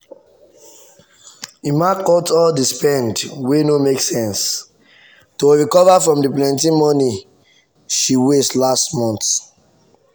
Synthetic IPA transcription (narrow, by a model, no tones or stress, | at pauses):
imakɔtɔldispɛ̃ndwenomeksɛ̃ns | toɹikɔvafɹɔ̃mdip̬lɛ̃ntĩmɔni | ʃiwestlastmɔ̃nt